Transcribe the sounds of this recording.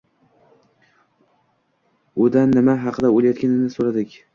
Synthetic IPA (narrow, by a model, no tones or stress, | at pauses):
ʊd̪anːɪmaɦɑqʰɨd̪aolˠajɒt̪̚kʲʰanɪnɪsoɾad̪ɪkʲ